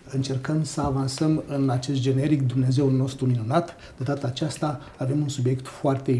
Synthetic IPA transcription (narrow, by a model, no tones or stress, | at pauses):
ɨnt͡ʃe̞rkəmsəavansəmɨnat͡ʃe̞st̪̚d͡ʒe̞ne̞ɾikd̪umne̞ze̞ulno̞st̪ɾuminunat̪ | d̪̥e̞d̪at̪əːt͡ʃast̪aː | ve̞munsubje̞kt̪foart̪e̞